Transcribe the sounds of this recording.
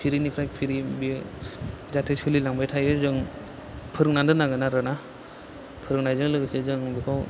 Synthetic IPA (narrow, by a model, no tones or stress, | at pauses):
pʰiɾinipʰɾajpʰiɾibi | zatʰejsulilaŋbajtʰajɯzɯŋ | pʰɯɾɯŋnandɯnaɡɯnaɾɯna | pʰɯɾɯŋnajzɯŋlɯɡɯsezɯŋbikʰaw